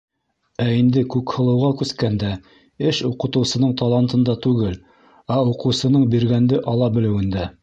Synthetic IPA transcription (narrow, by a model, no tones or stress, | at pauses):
æind̪ɘkʉkhɤ̆lˠɤ̆wʁɑkʉskænd̪æ | ɘʃuqɤ̆t̪ɤ̆wsɤ̆nɤɴt̪ɑlˠɑnt̪ɤ̆nd̪ɑt̪ʉɡɘl | ɑuqɤ̆wsɤ̆nɤɴbiɾɡænd̪ɘʔɑlˠɑbɘ̆lɘ̆wɘ̆nd̪æ